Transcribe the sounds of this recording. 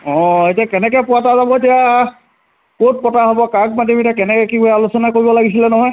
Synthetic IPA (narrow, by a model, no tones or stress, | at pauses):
ɔ̃etiakɛnɛkɛpʊatazabɔtija | kot̚pɔtaɦobɔkak̚madomitakɛnɛkɛkikujɛalusɔnakoɹibɔlaɡis̬ilɛnɔɦɔj